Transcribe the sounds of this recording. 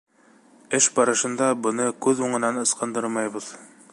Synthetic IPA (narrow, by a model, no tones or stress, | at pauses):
ɘʃbɑɾɤ̆ʃɤ̆nd̪ɑbɤ̆nɤkʉðuɴɤ̆nɑnɤ̆sqɤ̆nd̪ɤɾmɑjβɤð